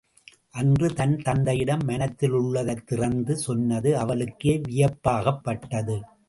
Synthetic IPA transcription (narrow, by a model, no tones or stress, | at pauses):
ʔɐndrɯt̪ɐnt̪ɐnd̪ɐjɪɽɐmːɐnɐt̪ːɪlʊɭːɐðɐt̪ːɪrɐnd̪ɯsɔnːɐðɯɐʋɐlɯkːeːʋɪjɐpːaːɣɐpːɐʈːɐðɯ